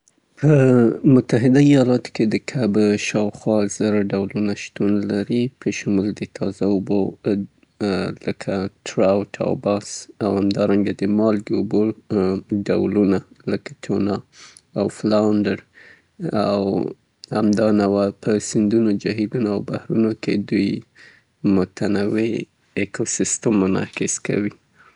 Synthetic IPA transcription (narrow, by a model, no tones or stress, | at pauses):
pʰəmʊt̪aɦɪd̪aijɑlɑt̪o̥ked̪əkʰabʃɑwxwɑz̥əɾaɖawlunaʃt̪unlaɾipʰəʃʊmuld̪ət̪ʰɑzaobo | ləkʰaʈʰɾawʈʰa̰wbɑsawhamd̪ɑɾaŋɡad̪əmɑlɡeobo | ɖawlunaləkḁt̪ʰonɑ | awflawɳdəɾ | aw | ha̰md̪ɑnawapəsɪnd̪unod͡ʒaɦilunoawbahɾunoked̪uj | mʊt̪ʰanawe | ekosɪst̪əmːʊnɑ̰xɪska̰wi